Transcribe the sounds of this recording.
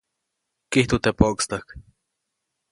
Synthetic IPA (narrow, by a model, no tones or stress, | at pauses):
kiht̪ot̪epokst̪ak